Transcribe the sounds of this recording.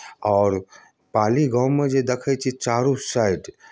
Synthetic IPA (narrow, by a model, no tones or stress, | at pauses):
ɔːɾ | paːliɡãwmẽd͡ʒed̪ekʰət͡ʃʰit͡ʃaːɾusaiʈ